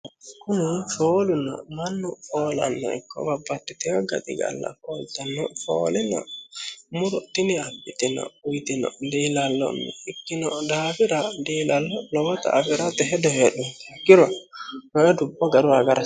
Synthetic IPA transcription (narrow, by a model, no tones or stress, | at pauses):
kunifoːluna̰manːufɔːla̰nːɔ̰ḭkːɔ̰babːat̪ːɛt̪ɛɔɡa̰d̪iɡa̰lːa̰fɔlt̪anːɔfɔ̰ːlɛna̰ | muɾɔt̪iniabit̪ɛna̰ujt̪inɔ̰ndilalːɔ̰nːɔ̰ikːinɔdaːfiɾadilalːɔlɔwɔt̪a̰ːfiɾat̪ɛɦɛdɔhɛɗunt̪kiɾɔhɔɛdubːɔɡaɾuwaɡaɾa